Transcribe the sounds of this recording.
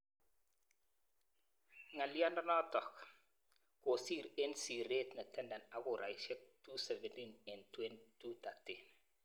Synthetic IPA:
ŋa˨li˦a˦nda˦nɔ˦tɔ˨k | ko˨siː˦ɾensi˨ɾe˦tna˨tɛ˦nda˨na˨ɡu˨ɾa˨iʃe˦k̚tu˦se˨ve˨ntine˨ntwe˦ntu˦ta˨tin

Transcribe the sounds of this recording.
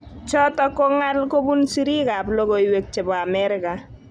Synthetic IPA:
t͡ʃɔ˦tɔ˦ko˦ŋa˦lko˦bu˦nsi˦ɾi˦ka˨plo˦ko˨iwe˨k̚t͡ʃe˨bɔ˨a˨mɛɾɪka˨

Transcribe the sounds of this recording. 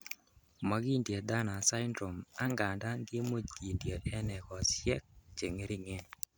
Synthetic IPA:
ma˦ɡi˦ndje˨d̪a˦na˨sa˦ɪndɾo˨ma˦ŋɡa˨nda˦nɡɪ˦mo˦d͡ʒɡi˨ndje˨lɛ˦nɛ˨kɔ˨sjɛ˦k̚t͡ʃe˨ŋe˦ɾi˦ŋe˦n

